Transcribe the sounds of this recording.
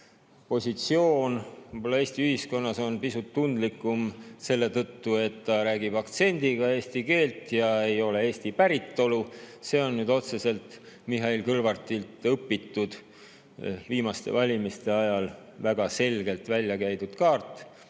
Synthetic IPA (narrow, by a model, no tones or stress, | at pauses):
po̞sʲit̪sio̞ːnvɤjbo̞lːɑe̞ːsʲt̪iyhisko̞nːɑso̞npisut̪ːund̪likːˑumse̞lːe̞t̪ɤt̪ːue̞t̪ːɑɾæːɡ̥ib̥ɑkt̪se̞nʲd̪̥iɡ̥ɑeːsʲt̪ike̞ːlt̪jɑe̞jo̞le̞e̞ːst̪ipæɾit̪ːo̞luse̞ːo̞nːyːd̪o̞t̪se̞se̞lt̪ | miɦɑilkɤrvɑrt̪ilt̪ɤpːit̪ːˑud̪̥ | viːmɑst̪e̞̰vɑlʲimist̪e̞ɑjɑl | væɡ̥ɑse̞lɡ̥e̞lt̪vælʲjɑkæjd̪ud̪̥kɑːrt̪ːˑ